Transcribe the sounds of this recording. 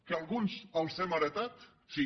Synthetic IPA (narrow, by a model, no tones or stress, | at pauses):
kealɣunsawsemaɾet̪at̪ | si